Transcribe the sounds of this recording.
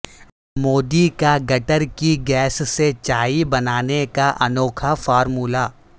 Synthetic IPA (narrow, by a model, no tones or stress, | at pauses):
moːd̪ikaɡɐʈəɾkiɡɛːsset͡ʃaːibɐnaːnekaʔɐ̰nɔːkʰafɔːɾmuːlaː